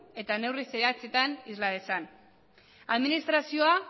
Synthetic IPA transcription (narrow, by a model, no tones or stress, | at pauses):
e̞t̪ane̞wriseðeat͡se̞t̪anizlaðe̞san | aðminist̪ɾasio̞a